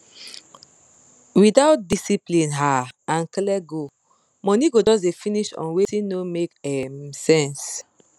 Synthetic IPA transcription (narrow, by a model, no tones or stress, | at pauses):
widaʊt̚disiplĩnɦaãnklɛɡo | mɔ̃niɡod͡ʒɔs̬definiʃɔ̰̃nwetĩnomekɛmsɛ̃ns